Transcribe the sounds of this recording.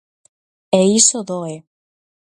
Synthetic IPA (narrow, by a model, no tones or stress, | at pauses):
eisoðoe